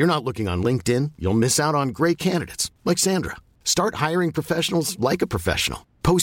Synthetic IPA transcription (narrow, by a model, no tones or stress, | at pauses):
jə˞nətˡlʊkɪ̃ŋə̰̃nlɪ̃ŋk̚tɪ̃njṵlˠmɪsaʊɾn̩ɡɹeɪt̚kʰæ̃ndɨɾḛɪtslɛksæ̃ndɹə̰ | stɑɹt̚haɪə˞ɪ̃ŋpʰɹ̥ɨfɛʃnl̩ˠzlaɪkəpʰɹ̥ɨfɛ̰ʃə̰n̩l̩ˠpʰoʊs